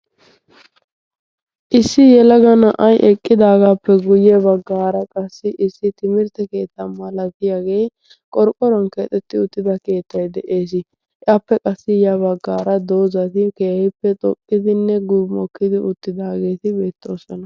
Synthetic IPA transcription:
ʔɪsːɪjɛlɐɡɐnɐʔɐjʔɛkʼːɪd̪aːɡaːpːɛɡʊjɛbɐɡːaːɾɐkʼɐsːɪʔɪsːɪt̪ɪmɪɾt̪ɛke̞ːt̪ːɐmɐlɐt̪ɪjaːɡe̞ː | kʼɔɾkʼːɔɾɔnkeːt̪ʼɛt̪ːɪʊt̪ːɪd̪ɐke̞ːt̪ːɐjd̪ɛʔe̞ːs̬ɪ | ʔɪaːpːɛkʼɐsːɪjabɐɡːaːɾɐd̪o̞ːzɐt̪ɪkeːhɪpːɛt̪ʼɔ̰kʼːɪd̪ɪnːɛɡʊbmɔkːɪd̪ɪʔʊt̪ːɪd̪aːɡe̞ːt̪ɪbe̞ːt̪ːo̞ːsɔnɐ

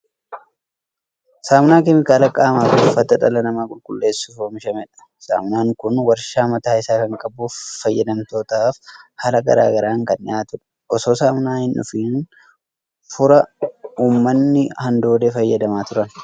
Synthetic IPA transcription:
saːmnaːkɛmɪkaːlɐkʼːaːmaːt̪ʊnʊfɐt̪ːɐᶑɐlɐnɐmaːkʼʊlkʼʊlːe̞ːsːʊfoːmɪʃɐmɛᶑɐ̥ | sa̰ːmnaːŋkʊnwɐɾʃaːmɐt̪aːɪsaːkɐŋkʼɐbʊːɐjːɐd̪ɐmt̪o̞ːt̪aːfhɐlɐɡɐ̰ɾa̰ːɡɐɾaːŋkɐnɪaːt̪ʊᶑɐ̥ | ʔɔso̞ːsaːmnaːhɪnʔʊ̰fiːn | fʊɾɐuːmːɐnːɪhɐnd̪o̞ːd̪efɐjːɐd̪ɐmaːt̪ʊɾɐn

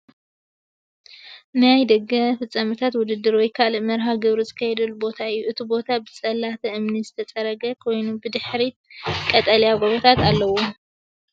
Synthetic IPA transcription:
najd̪ɐɡɐfɨt͡sʼːɐmɨt̪ʰat̪wʊd̪ɨd̪ːɨɾwɔjkʰalmɐɾɦaɡɨβɾuzɨkʰɐjɛd̪ɐlːubo̞t̪ʰaɨjːuʔɨt̪ʰibo̞t̪ʰabɨt͡sʼɐlːat̪ʰɐʔɨmnizɨt̪ʰɐt͡sʼɐɾɐɡɐkʰo̞jnubɨd̪ɨħɾikʼɐt̪ʼɐljaɡoβot̪ʰat̪alːɐwo

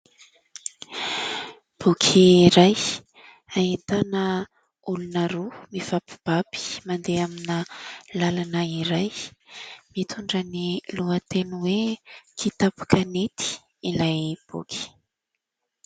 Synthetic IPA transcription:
b̥ukʰiɾaj | aɦit̪anə | ulunəɾumiv̥api̥b̥api̥mand̪eaminəlalanaiɾaj | mit̪ʰuɳɖ͡ʐəniluət̪enwekʰit̪apḁkanet̪i̥ | ilajb̥ṵkʰʲi̥

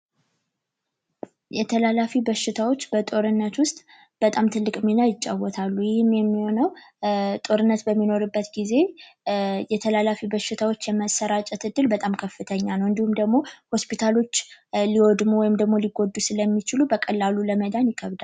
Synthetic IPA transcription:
jɛt̪ʰəlalafibəʃɪt̪ʰawo̞t͡ʃːbət̪ʼo̞ɾɨnːət̪wʊst̪ʼ | b̥ət̪ʼamt̪ʰɨlːɨkʼminajɪt͡ʃʼːawːɔt̪ʰalːujɪhɨmjɛmːiho̞nəwt̪ʼo̞ɾɨnːət̪bəmːino̞ɾɨbːət̪ɡize̞ | jɛt̪ʰəlalafibəʃːɪt̪ʰawo̞t͡ʃːjɛməsəɾat͡ʃʼɛt̪ɨd̪ɨlbət̪ʼamkʰəfːɨt̪ʰəɲːanəwɨnd̪ihumd̪əɡmo̞ho̞spit̪ʰalo̞t͡ʃːliwod̪muwɔjɪmd̪əɡmo̞liɡo̞d̪ːusɨləmːit͡ʃɪlubəkʼəlːaluləməd̪anjɪkʰəβd̪al

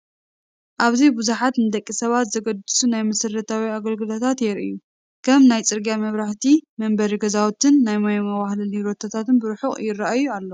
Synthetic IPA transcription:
ʔaβzibuzuħat̪nɨd̪ɐkʼːisɐβat̪zɐɡɐd̪ɨsunajmɐsɨrːɐt̪ʰawiaɡɐlɡɨlot̪ʰat̪jɛɾɨ̰jːu | kʰɐmnajt͡sʼɨɾɡiamɐβɾaħt̪ʰimɐmbɐɾiɡɐzawt̪ʰɨnːajmajmɐwahlɐliɾot̪ʰat̪ʰat̪ɨnbɨɾħuχʼjɪrːaʔajualːo

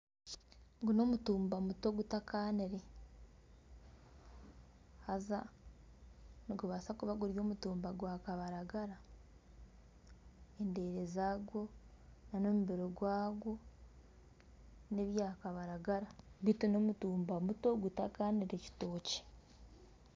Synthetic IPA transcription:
ɡuno̞mutuːmbamuto̞ɡutakaneɾe | haza | niɡuβasakuβaɡuɾjo̞ːmutuːmbaɡwaːkaβaɾaɡaɾa | ende̞ːɾezaɡwo̞nano̞muβeɾoɡwaːɡo̞ | ne̞βjaːkaβaɾaɡaɾaɡiteno̞mutuːmbamutoɡutakaːneɾeci̥to̞ːce̥

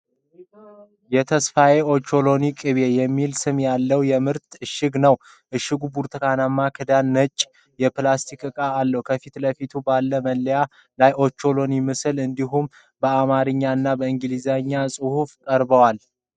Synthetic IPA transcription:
jɛt̪ʰəsfaje̞o̞t͡ʃːo̞lo̞nikʼɨβe̞jɛmːilsɨmjalːəwjɛmɨɾt̪ɨʃːɨɡnəw | ʔɨʃːɪɡubuɾt̪ʰɨkʰanamːakʰɨd̪anːət͡ʃʼː | jɛplast̪ʰikɨkʼaːlːəhwkʰəfit̪ləfit̪ʰubalːəməlːəja | lajʔo̞t͡ʃːo̞lo̞nimɨsɨlɨnd̪iɦum | bəamaɾɨɲːaɨnːabəɨŋɡɨlizaɲːasʼɨhufkʼəɾbəwal

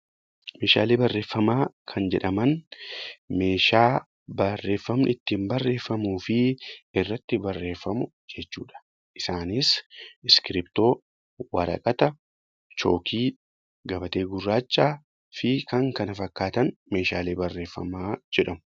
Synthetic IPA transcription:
me̞ːʃa̰ːleːbɐrːe̞ːfːɐmaːkʰɐnd͡ʒɛᶑɐmɐn | me̞ːʃaː | bɐrːe̞ːfːɐmnɪt̪ːiːmbɐrːe̞ːfːɐmuːfɪɪrːɐt̪ːɪbɐrːe̞ːfːɐmʊ | d͡ʒɛt͡ʃːuːᶑɐ̥ | ʔɪsaːnisɪskɪɾɪpt̪o̞ː | wɐɾɐ̰kʼɐt̪ɐ | t͡ʃoːkʰiː | ɡɐbɐt̪e̞ːɡʊrːaːt͡ʃːaː | fɪkɐŋkɐnɐfɐkːaːt̪ɐnme̞ːʃaːleːbɐrːe̞ːfːɐ̰maːd͡ʒɛᶑɐmʊ̥

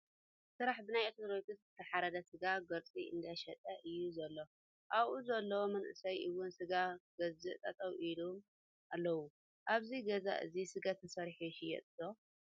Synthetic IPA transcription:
sɨɾaħbɨnajʔɐt̪ʰoɾokʼɨt̪zɨt̪ʰɐħaɾɐd̪ɐsɨɡaɡɐɾt͡sʼiʔɨ̰nd̪aʃɐt̪ʼɐʔɨjːuzɐlːo̞ | ʔaβʔuzɐlːɐwomɐnʔɨsɐjʔɨwːʊnsɨɡaɡɐzɨʔt̪ʼɐt̪ʼɐwʔilum | ʔalːɐwu | ʔaβziɡɐza̰ʔɨ̰zisɨɡat̪ɨsɐɾħiʃɨjɛ̰t̪ʼɨd̪o

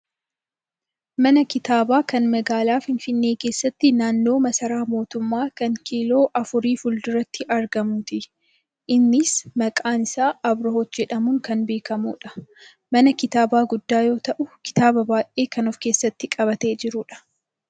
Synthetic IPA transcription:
mɐnɐkɪt̪aːbaːkɐnmɐɡaːlaːfɪnfɪnːe̞ːke̞ːsːɐt̪ːɪnaːnːo̞ːmɐsɐɾaːmo̞ːt̪ʊmːaːkɐŋkiːlo̞ːʔɐfʊɾiːfʊld̪ʊɾɐt̪ːɪʔɐɾɡɐmʊt̪ɪ | ʔɪnːɪsmɐkʼaːnɪsaːɐbɾɐhɔt̪d͡ʒɛᶑɐmʊŋkɐnbe̞ːkɐmṵːᶑɐ̥ | mɐnɐkɪt̪aːbaːɡʊd̪ːaːjo̞ːt̪ɐʔʊkɪ̥t̪aːbɐbaːʔe̞ːkɐnɔfke̞ːsːɐt̪ːɪkʼɐβɐt̪e̞ːd͡ʒɪɾʊːᶑɐ̥

